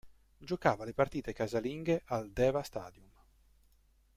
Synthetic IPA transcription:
d͡ʒokaːvalepart̪iːt̪ekazaliŋɡeʔald̪ɛːvast̪a̰ːd̪jum

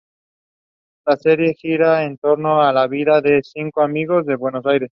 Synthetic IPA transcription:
lase̞ɾje̞xiɾaent̪o̞ɾno̞alaβiðaðe̞θiŋkoamiɣ̞o̞zðe̞βwe̞no̞sajɾe̞s

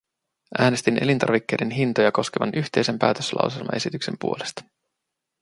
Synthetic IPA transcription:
ʔæːne̞st̪inʔe̞lint̪ɑ̰ɾʋikːe̞jde̞nɦint̪ojɑko̞ske̞ʋɑ̰nʔyçt̪e̞jse̞mpæːt̪øslɑ̰wselmɑ̰ʔe̞sit̪ykse̞mpuole̞st̪ɑ̥

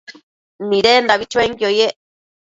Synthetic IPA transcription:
nĩɾend̪aβit͡ʃweŋkiojeʔ

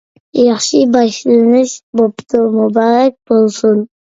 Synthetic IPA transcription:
jɑχʃɪbɑʃlˠanɪʃbopt̪ʊmʊbɑɾak̚ʲbolˠsʊn

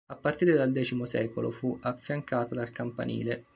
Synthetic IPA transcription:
apːart̪iːɾed̪ald̪ɛːt͡ʃimosɛ̰ːkolo̰fuʔafːjaŋkaːt̪ad̪alkampa̰nḭːle

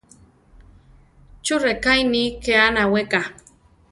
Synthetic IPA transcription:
t͡ʃʊɾekajnikeanaweka

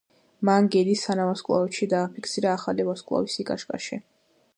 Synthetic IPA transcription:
maŋɡɛd̪isanavaskʼlˠa̰vɛʃid̪aːpʰikʰsiɾaːχalivaskʼlˠa̰wisikʼaʃkʼa̰ʃi

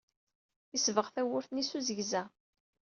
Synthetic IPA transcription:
isvəʁθæwʊɾθnisuzəʝzæ

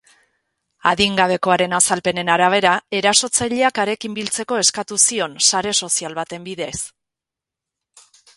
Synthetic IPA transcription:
aðiŋɡaβ̞e̞ko̞aɾe̞nasalpe̞ne̞naɾaβ̞e̞ɾae̞ɾaso̞t͡saʎeakaɾe̞kimbilt͡se̞ko̞e̞skat̪usio̞nsaɾe̞so̞sialβat̪e̞mbiðe̞s

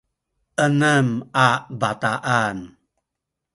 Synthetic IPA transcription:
ʔənəmabat̪aʔan

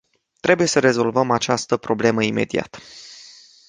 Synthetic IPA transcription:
t̪ɾe̞buje̞səɾe̞zo̞lvəmat͡ʃast̪əpɾo̞ble̞məime̞̰d̪ia̰t̪

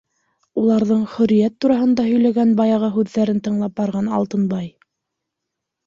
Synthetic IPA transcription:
ulˠɑɾðɤɴχɵ̆ɾijæt̪ːuɾɑɦɤ̆nd̪ɑɦɵ̆jlæɡænbɑjɑʁɑɦʉðːæɾɘnt̪ɤ̆ɴlˠɑp̚bɑɾʁɑnɑ̰lˠt̪ɤnbɑj

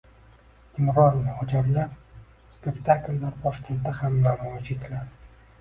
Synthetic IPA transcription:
ɪmɾɒnmʊhɒd͡ʒaɾlaɾ | spe̞kʲt̪ʰaklːaɾbɒʃkʲe̞nt̪ːahamlaɾɒd͡ʒet̪ʰɪlaɾ

